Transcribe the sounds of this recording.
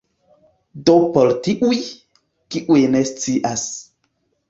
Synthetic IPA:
dopoltiʔuj | kiʔujnest͡siʔas

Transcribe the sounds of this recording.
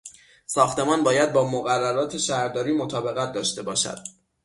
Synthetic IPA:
sɒːxt̪e̞mɒːnbɒːjæd̪̚bɒːmoɣærːæɾɒːt̪ʰe̞ʃæɾd̪ɒːɾiːmo̞t̪ʰɒːbe̞ɣæt̪̚d̪ɒːʃt̪e̞bɒːʃæ̰d̪̥

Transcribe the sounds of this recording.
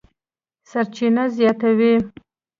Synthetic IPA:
saɾt͡ʃinazjɑt̪awi

